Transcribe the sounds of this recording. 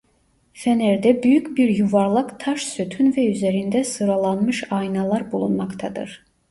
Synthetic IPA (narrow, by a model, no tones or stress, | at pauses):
fænæɾd̪æbyjycbiɾjuvɑɾlˠɯkt̪ʰɑʃsøt̪ʰynvɛyzæɾind̪æsɯɾɑlˠɑnmɯʃɑjnɑlˠɑɾbulˠunmɑkt̪ʰɑd̪ɯ̰ɾ̥